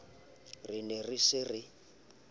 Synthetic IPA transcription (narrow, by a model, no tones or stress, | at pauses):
rinɛrisɪrɪ